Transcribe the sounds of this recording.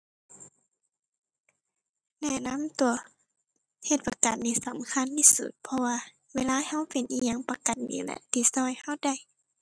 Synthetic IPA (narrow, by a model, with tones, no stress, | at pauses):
nɛ˧˩˨na˧˥˨mt̪u˨˩ɐ | he˧˩t̪̚pa˧ka˨˩t̪̚niː˧˩sa˨˦mkʰa˧˥˨nt̪ʰi˧sṵ˧˩t̪̚pʰɔ˧waː˧ | weː˧˨laː˧˥˨ha˧˥˨wpe˨nʔiː˧˨ɲa˧˨ŋpa˧ka˨˩n̚ɲḭː˨˦lɛ̰˧˨t̪i˧˩sɔː˧˨jha˧˥˨wda˧˨j